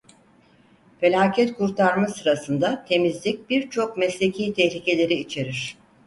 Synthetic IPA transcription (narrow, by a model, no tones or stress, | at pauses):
fe̞lʲaːcʰɛt̪kʰuɾt̪ʰaɾmasɯɾasɯnd̪at̪ʰe̞mizlʲic̚b̥iɾt͡ʃʰo̞k̚mɛslʲe̞cʰijt̪ʰɛçlʲice̞lʲe̞ɾiit͡ʃʰe̞ɾiɾ̝̥